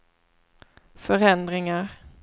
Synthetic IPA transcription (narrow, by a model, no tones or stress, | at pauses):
fœɾɛnd̪ɾɪŋaɾ